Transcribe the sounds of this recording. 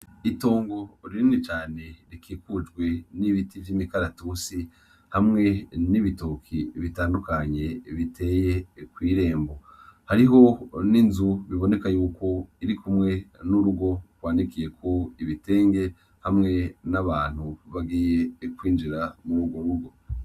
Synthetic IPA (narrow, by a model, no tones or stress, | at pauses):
ito̞ːŋɡo̞ɾiɾinit͡ʃaːne̞ɾikʰiːkud͡ʒɡwe̞niβitivjimikaɾatusi | hamŋe̞niβitokʰiβitaːndukaɲe̞βitʰe̞je̞kwiːɾe̞ːmbo̞haɾiɦo̞ninzuβiβo̞ne̞kajuːko̞iɾikumŋe̞nuɾuɡo̞ɡwaːnikije̞kʰo̞iβite̞ːŋɡe̞ | hamŋe̞naβaːn̥huβaɡiːje̞kwiːnd͡ʒiɾamuɾuːɡwo̞ɾuɡo̞